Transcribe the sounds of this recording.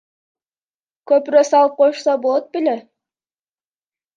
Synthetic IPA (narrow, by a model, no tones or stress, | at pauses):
køpɾøsɑlˠɯp̚qʰojʃsɑbolˠot̪̚bile